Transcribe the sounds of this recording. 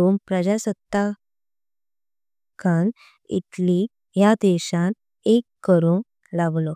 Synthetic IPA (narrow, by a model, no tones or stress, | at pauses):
ompɾəd͡ʑasət̪ːa | kʰan | ḭt̪li | jad̪eɕãn | ekːəɾon | laʋlɔ